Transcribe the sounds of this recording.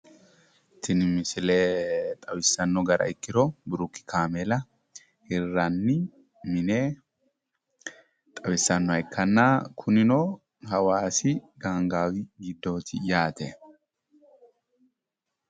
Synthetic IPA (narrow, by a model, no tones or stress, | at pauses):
t̪ːɪnɪmɪsɪleːt̪ʼɐwɪsːɐnːɔɡɐɾɐ̰ɪkːɪɾɔbʊɾʊkːɪ̥kʰaːmɛlɐ | hɪrːɐnːɪ | mɪneː | t̪ʼɐwɪsːɐnːɔhɐɪkʰːɐnːaːkʰʊnɪnoː | ɦɐwaːsɪɡaːŋɡaːwɪɡɪd̪ːo̞ːt̪ʰɪjaːt̪e